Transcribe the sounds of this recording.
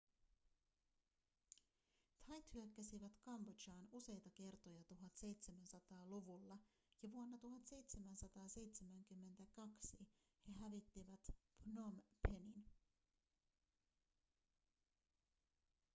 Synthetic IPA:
t̪ʰɑjt̪hyækːæsiʋæt̪kɑmbot͡ʃɑːnuse̞jt̪ɑk̟e̞rt̪o̞jɑt̪uɦɑt̪se̞jt̪se̞mænsɑt̪ɑːluʋulːɑ | jɑʋuonːɑt̪uɦɑt̪se̞jt̪se̞mænsɑt̪ɑːse̞jt̪semæŋkymːe̞nt̪ækɑksi | he̞ɦæʋit̪ːiʋæt̪pnompʰe̞nin

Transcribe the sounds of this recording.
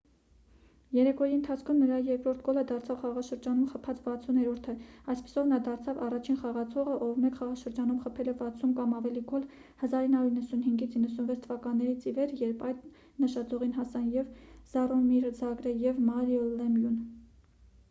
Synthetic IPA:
jɛɾɛkɔɾiənt̪ʰɑt͡sʰkʰumnəɾɑjɛɾkɾɔɾt̪̚ʰɡɔləd̪ɑɾt͡sʰɑvχɑʁɑʃəɾd͡ʒɑnumχəpʰɑt͡svɑt͡sʰunɛɾɔɾt̪ʰəɑjspi̥sɔvnɑd̪ɑɾt͡sʰɑvɑrɑt͡ʃʰinχɑʁɑt͡sʰɔʁəʔɔvmɛkχɑʁɑʃəɾd͡ʒɑnumχəpʰɛlɛvɑt͡sʰumkɑmɑvɛliɡɔl | həzɑɾinhɑɾuɾinːəsunɦiŋɡit͡sʰinːəsunvɛt͡sʰt̪ʰəvɑkɑnːɛɾit͡sʰivɛɾjɛɾpʰɑjd̪ | nəʃɑt͡sɔʁinɦɑsɑnjɛvz̥ɑrɔmiɾd͡zɑɡɾəjɛvmɑɾiɔlɛmjun

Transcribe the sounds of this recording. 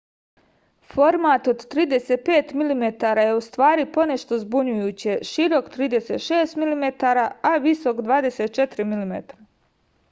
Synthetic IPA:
fo̞ɾmat̪o̞d̪t̪ɾiːd̪e̞set̪̚pe̞ːt̪milimet̪aːɾaːje̞ust̪ʋaːɾipo̞ne̞ʃt̪o̞zbuɲujuːt͡ɕeʃiɾo̞kt̪ɾiːd̪e̞seːt̪ʃeːst̪milimet̪aɾaaʋiso̞kd̪ʋaːd̪e̞se̞t̪̚t͡ʃet̪ɾimilimḛt̪ɾa

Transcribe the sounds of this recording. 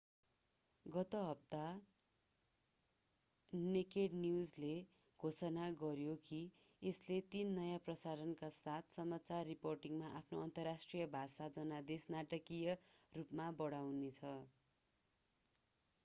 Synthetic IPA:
ɡʌt̪ʌɦʌp̚t̪a | nekeɖniud͡zle | ɡʱosʌnaɡʌɾjoki | eslet̪inːʌjaprʌsaɾʌnkasat̪ʰsʌmat͡sarːiporʈiŋmaʔapʰnoʌnt̪ʌrasʈrijʌbʱasad͡zʌnad̪esnaʈʌkijʌrupmabʌɽawnet͡sʰʌ

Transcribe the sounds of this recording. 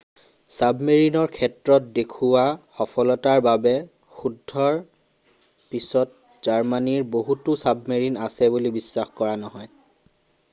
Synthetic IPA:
sabmeɹinɔɹkʰɛtɹɔt̚dekʰuwaxɔpʰɔlɔtaɹbabɛ | xudʱːɔɹ | pisɔt̚ | z̥aɹmaniɹboɦutʊsabmeɹinasɛbulibisːaxkɔɹanɔɦɔj

